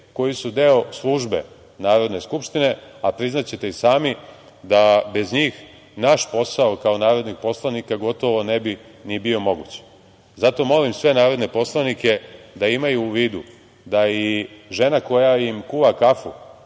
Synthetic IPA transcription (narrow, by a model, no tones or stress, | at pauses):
ko̞jisud̪e̞o̞slˠuʒbe̞̰ | naːɾo̞d̪ne̞skupʃt̪ine̞apɾiznat͡ɕe̞t̪e̞isaːmi | d̪abe̞zɲiːx | naʃpo̞saokao̞naːɾo̞d̪nixpo̞slˠanikaɡo̞t̪o̞ʋo̞ne̞bi | nibio̞mo̞ɡuːt͡ɕ | zat̪o̞mo̞limsʋe̞naːɾo̞d̪ne̞po̞slˠanike̞d̪aimajuːʋiːd̪u | d̪aiʒe̞nako̞jaimkuʋakafu